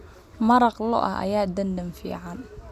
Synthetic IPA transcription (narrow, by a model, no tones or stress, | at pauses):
mɐɾɑqlɔ̰ʔɐ̰ɐ̰jaːd̪ɐnd̪ɐmfḭːʕɑn